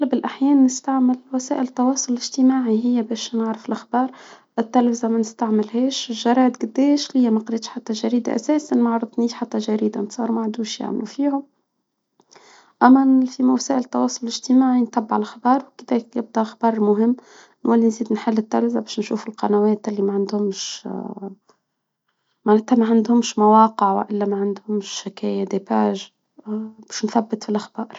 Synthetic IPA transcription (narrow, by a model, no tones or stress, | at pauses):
lbɪlʔaħjɛːnːɪst̪aʕmɪlwæsæːʔɪlt̪ːɑwɑːsˤʊllɪʒt̪imaːʕiɦɪjːæbɛːʃnaʕɾɑfɪlʔaxbɑːɾˤ | ʔt̪ːælfɪzamænɪst̪aʕmɪlɦɛːʃɪʒɑɾˤɑːd̪ɡʊd̪ːɛːʃlɪjːmæqɑɾeːt̪ʃħat̪ːæʒæɾiːd̪a̰ʔæ̰sɛːsanmaʕɾˤɑd̪ˤniːħat̪ːæʒæɾiːd̪ant̪sˤɑːɾˤmaʕd̪uːʃja̰ʕmlufiːhʊm | ʔæmːæfimasæːʔɪlət̪ːɑwɑːsˤʊllɪʒt̪imaːʕint̪ˤɑbːʕalxɑbɑːɾˤwkɪd̪ɛːkjɪb̚d̪æxɑbɑːɾˤmʊɦɪmː | nwælːinziːd̪nħɪlːɪt̪ːælzabæːʃnʃuːfʊlqɑnæwæːt̪ʔɪlːimaʕand̪hʊmʃ | maʕnæːt̪hæmæʕand̪hʊmʃmawɑːqəʕwɪ̰ʔɪlːæmæʕand̪hʊmʃːɪkæːjæd̪epæːʒ | bɛːʃnθæbːət̪filʔaxbɑːɾˤ